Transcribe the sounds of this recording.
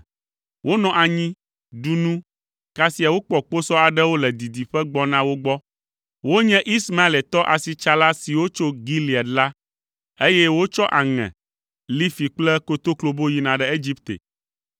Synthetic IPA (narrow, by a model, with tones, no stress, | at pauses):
wʔo˦nɔ̃˨ʔa˨ɲĩ˦ | ɖu˨nũ˦ | ka˦si˨˦a˨wo˦k͡pɔ˨k͡po˦sɔ˦a˨ɖɛ˦wo˦lɛ˨d̪i˨d̪i˨ɸɛ˦ɡ͡bɔ˦nã˦wo˦ɡ͡bɔ˦ | wo˦ɲɛ̃˦ʔi˦sma˦e˨lɛ˨t̪ɔ˦ʔa˨si˨t͡ʃa˦la˦si˨wo˦t͡ʃo˦ɡi˦li˨ɛ˨t̪la˦ | e˦jɛ˦wo˦t͡ʃɔ˦ʔa˨ŋɛ̰̃˨ | li˦fi˨k͡plɛ˦ko˦t̪o˦klo˦bo˦ji˦nã˨ɖɛ˦e˦d͡ʑi˦pt̪ḛ˨